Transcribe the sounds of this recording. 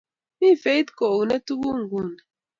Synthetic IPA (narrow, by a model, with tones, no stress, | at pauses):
mi˦˨fe˦i˦t̪kɔ˨u˨na˦tu˦bu˦ŋ˨ɡu˦˨na˨